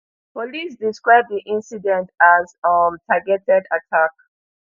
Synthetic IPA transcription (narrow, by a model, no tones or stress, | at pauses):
pɔlisdiskɹaɪb̚ðiʔĩnsidɛ̃ntazmtʰaɡɛtɛdatʰak